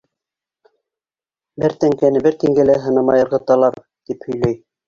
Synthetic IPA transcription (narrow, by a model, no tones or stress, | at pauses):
bɘɾt̪æŋkænɘbɘɾt̪iŋɡælæɦɤ̆nɤ̆mɑjɤ̆ɾʁɤ̆t̪ɑlˠɑɾ | t̪iphɵ̆jlæj